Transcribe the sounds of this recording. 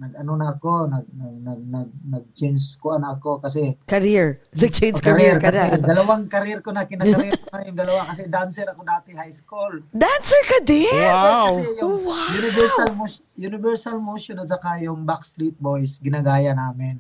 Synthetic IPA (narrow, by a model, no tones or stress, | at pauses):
nɐɡ̚ɐnonɐːkonɐɡ̚nɐɡ̚nɐɡ̚nɐɡ̚nɐɡ̚t͡ʃend͡ʒkʊʔanɐːkokɐs̬ɛkɐɾiɹnɐɡ̚t͡ʃend͡ʒkaɾɾkɐɛd̪ɐlɐwaŋkɐɾɪɛɾkonakɪnakɾikonajʊŋd̪ɐlɐwakɐs̬ɛd̪aansɛɾɐkod̪aːt̪ɪhajskuld̪ansɛɹkɐd̪ɛwaawsɛjʊajunɪvɛɾsalmo | jʊnɪbɛɹsalmoʃonɐt̪̚sɐkajʊŋbaksɾit̪̚bojsɡɪnaɡaːjanaːmɪn